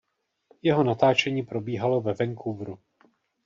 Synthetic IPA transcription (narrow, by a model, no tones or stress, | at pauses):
jɛɦo̞nat̪aːt͡ʃɛɲiːpɾo̞biːɦalo̞vɛvɛŋkʰuvɾu